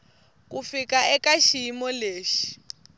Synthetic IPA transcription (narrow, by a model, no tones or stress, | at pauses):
k̬ʼufikʼaɛkaʃiːmɔleːʃi̥